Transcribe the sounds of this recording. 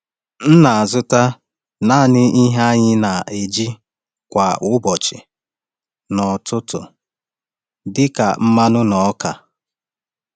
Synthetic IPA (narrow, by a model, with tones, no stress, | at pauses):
n̩˦na˨a˨zʊ˦ta˦ | na˦˨nɪ˦i˦ɦa˦ɲɪ˦na˨e˨d͡ʒi˦ | kʷa˨ʔʊ˦bɔ˨t͡ʃɪ˨ | nɔ˨tʰʊ˦tʊ̰˨ | dɪ˦ka˨m̩˦ma˦nʊ˦nɔ˨ɔ˦ka˨